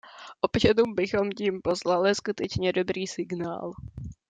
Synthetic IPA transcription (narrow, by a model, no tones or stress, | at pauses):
ʔopʃaduːmbɪxo̞mciːmpo̞slalɪskut̪ɛt͡ʃɲɛdo̞bɾiːsɪɡna̰ːl